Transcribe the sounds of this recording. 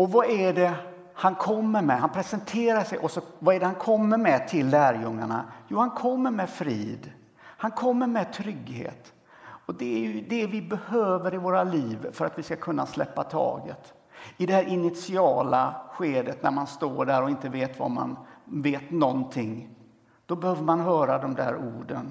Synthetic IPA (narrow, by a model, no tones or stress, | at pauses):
ɔvaʔæɖɛ | hankʰɔmːəɾmɛhanpʰɾɛsɛnt̪ʰeːɾaʂɛjʔɔsɔvaæɖɛhankʰɔmːəɾmɛt̪ʰɪlːæːɾjɵŋːa̰ɳa̰juːhankʰɔmːəɾmɛfɾiːd̪ | hankʰɔmːəɾmɛt̪ʰɾʏɡhḛːt̪ | ɔd̪ɛæɾjd̪ɛvɪbɛhøːvəɾɪvoːɾaliːvfœɾat̪vɪskakʰɵnːaslɛ̰pːat̪ʰɑ̰ːɡə̰t̪ | ɪd̪ɛhæːɾʔɪnɪt̪sɪɑːlaɧeːd̪ət̪næ̰ɾmanst̪oːɖæɾɔɪnt̪əveːt̪va̰ma̰nveːt̪nɔnt̪ʰɪŋː | d̪̥ɔbɛhøːvəɾmanɦœːɾad̪ɔmd̪æ̰ːɾuːɖən